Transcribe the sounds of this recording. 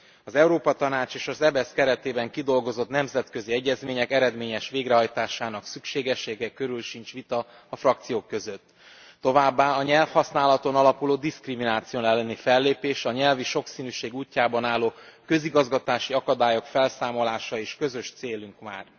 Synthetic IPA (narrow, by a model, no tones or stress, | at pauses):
ɒzɛuɾoːpɒt̪ɒnaːt͡ʃeːʃɒzɛbɛskɛɾɛt̪eːbɛŋkid̪o̞lɡo̞zo̞t̪nɛmzɛt̪kø̞ziɛɟːɛzmeːɲɛkɛɾɛd̪meːɲɛʃʋeːɡrɛɦɒjt̪aːʃaːnɒksykʃeːɡɛʃːeːɡɛkø̞ɾylʃint͡ʃʋit̪ɒ | ɒfrɒkt̪sijoːkːø̞zø̞t̪ː | o̞vaːbːaːɒɲɛlfhɒsnaːlɒt̪o̞nɒlɒkuloːd̪iskriminaːt̪sijoːnɛlːɛnifɛlːeːpeːʃɒɲɛlviʃo̞ksiːnyːʃeːɡuːcːaːbɒnaːlːoːkø̞ziɡɒzɡɒt̪aːʃiɒkɒd̪aːjo̞kfɛlsaːmo̞laːʃɒeːʃkø̞zø̞ʃt̪seːlyŋkma̰ːr